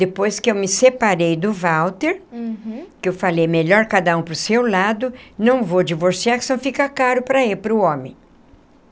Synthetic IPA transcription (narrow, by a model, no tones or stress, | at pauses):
d̪̥epojskɪewmɪsepaɾejd̪ʊvawt̪eɾ | kɪewfalejmeʎɔɾkad̪ɐũpɾʊsewlad̪ʊnɐ̃w̃vod͡ʒivoɾsiaɾksɐ̃w̃fikɐkaɾʊpɾɐepɾʊõmẽj̃